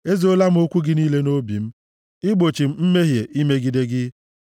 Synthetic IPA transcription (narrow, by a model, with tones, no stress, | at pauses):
e˦zi˨˦o˦la˦m̩˦o˦kʷu˦ɡɪ˦niː˦le˦no˦bḭ˨m̩˦ | ɪ˦ɡ͡bo˨t͡ʃi˨m̩˦m̩˦me˦ɦje˨ʔi˦me˦ɡi˨de˦ɡɪ˦